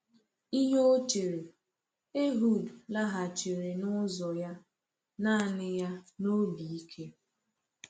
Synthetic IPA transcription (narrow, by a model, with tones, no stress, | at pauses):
i˦ɲo˦o˦t͡ʃe˨ɾe˨ | e˦ɦu˦˨dla˦ɦa˨t͡ʃe˨ɾe˨nʊ˦zɔ˨ja˦ | na˦˨nɪ˦ja˦no˦bi˨i˦kʰe˦